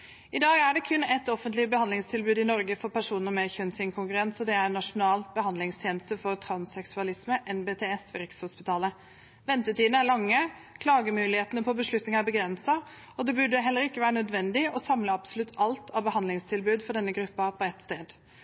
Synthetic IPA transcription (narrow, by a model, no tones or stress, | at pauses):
ɪd̪ɑːɡæɖɛkʰʉnːɛt̪ɔfənt̪lɪbəhɑnlɪŋst̪ʰɪlbʉːd̪ɪnɔɾɡəfɔɾpæʂuːnəɾmɛçœnsɪŋkʰʊŋkʉɾɛnsɔd̪ɛæɾnɑʂʊnɑːlbəhɑnd̪lɪŋst̪ʰjeːnəst̪əfɔɾt̪ʰɾɑnsɛksʉɑlɪsməʔɛnbeːt̪ʰeːɛsʋɛɾɪkshʊspɪt̪ʰɑːlə | ʋɛnt̪əʈiːd̪nəæɭɑŋːəkʰlɑːɡəmʉːlɪheːt̪ənəpʰɔbəʂɭʉt̪nɪŋæɾbəɡɾɛnsɑ | ɔd̪ɛbʉɖəɦɛlːəɾɪkːəʋæːɾənœd̪ʋɛnd̪ɪɔsɑmləɑbsʊlʉt̪ʰːɑlt̪ʰɑʋbəhɑnlɪŋst̪ʰɪlbʉːd̪fɔɖɛnːəɡɾʉpːɑpʰɔɛt̪st̪eːd̪